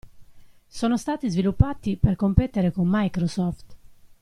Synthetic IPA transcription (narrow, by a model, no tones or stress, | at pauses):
sɔːnost̪aːt̪izvilupːaːt̪iperkompɛt̪ːeɾekomːajkɾosɔft̪